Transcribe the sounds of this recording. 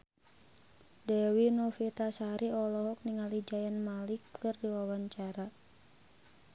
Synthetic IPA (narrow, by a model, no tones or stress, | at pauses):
dɛwinɔfit̪asaɾʔiɔlɔɦɔk̚niŋalid͡ʒajanmalikʰɨrdiwawaɲt͡ʃaɾa